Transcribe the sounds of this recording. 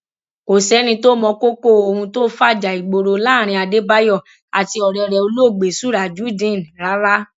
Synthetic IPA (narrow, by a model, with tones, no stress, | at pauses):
ko˨sɛ˨˦nĩ˧to˦mɔ̃˧ko˦ko˦˨o˨hũ˧to˦fa˦˨d͡ʒa˨i˨ɡ͡bo˨ɾo˧la˦˨ɾ̃ĩ˧a˧de˦ba˦jɔ˦˨ | a˨ti˧ɔ˨ɾɛ˧˨ɾɛ˨o˧lo˦˨ɡ͡be˨su˨˦ɾa˨d͡ʒu˨˦dĩ˦˨n˨ɾa˨˦ɾa˦